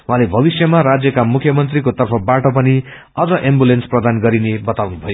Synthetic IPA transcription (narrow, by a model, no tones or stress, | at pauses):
wɦãlebʱʌbisjʌmaɾad͡zjʌkamukʰjʌmʌnt̪rikot̪ʌrpʰʌbaʈʌpʌni | ʌd͡zʌʔembulensprʌd̪anɡʌɾinebʌt̪awnubʱʌjo